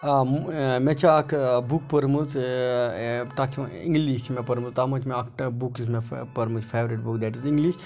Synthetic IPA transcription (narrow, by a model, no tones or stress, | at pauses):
met͡ʃaːkbuk̚pəɾmɨt͡s | t̪at͡ʃʰũḭ̃ŋɡliʃmepɐɾmɨzt̪amɐt͡ʃmeɐkʈbukis̬mepɐɾmɨzfʰeːʋɾiʈbukd̪ɛʈizĩŋɡliʃ